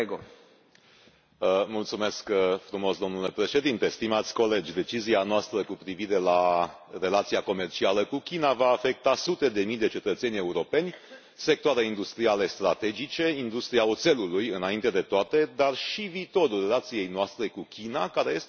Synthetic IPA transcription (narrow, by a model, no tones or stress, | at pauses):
ɡo | mult̪sume̞skfɾumo̞sd̪omnule̞pɾe̞ʃe̞d̪int̪e̞st̪imat̪sʲko̞le̞d͡ʒʲd̪e̞t͡ʃizianoast̪ɾəkupɾiviɾe̞la | re̞lat̪siako̞me̞rt͡ʃialəkukʲinavaːfe̞k̚t̪asut̪e̞d̪e̞mijd̪e̞t͡ʃe̞t̪ət̪se̞nʲe̞uɾo̞pe̞nʲ | se̞k̚t̪oaɾeind̪ust̪ɾiale̞st̪ɾat̪e̞d͡ʒit͡ʃe̞ind̪ust̪ɾiaot̪se̞lulujɨnaint̪e̞d̪e̞t̪oat̪e̞d̪arʃiviːt̪o̞ɾulre̞lat̪sije̞jnoast̪ɾe̞kukʲinakaɾeje̞s